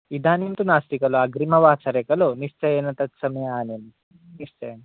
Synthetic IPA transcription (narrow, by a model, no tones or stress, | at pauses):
id̪ʱaːnint̪unaːst̪ikɐloaɡɾimɐʋaːt͡ʃɐɾekɐloːnist͡ʃɐjeːnɐt̪ɐt̪sɐmɐjɐaːnen | nist͡ʃɐjen